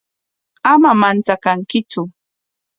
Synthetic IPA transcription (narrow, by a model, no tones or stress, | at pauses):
amamant͡sakaŋkɪt͡sʊ